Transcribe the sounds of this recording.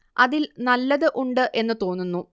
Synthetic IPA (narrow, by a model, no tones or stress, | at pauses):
ɐðilnɐlːɐðɨʔuɳɖɨʔe̞nːɨt̪o̞ːnːunːu